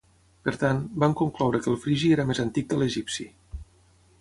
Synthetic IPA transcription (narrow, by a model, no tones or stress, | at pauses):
pəɾt̪anbamkuŋklɔwɾəkəlˠfɾiʒieɾəmezənt̪ik̚d̪ələʒipsi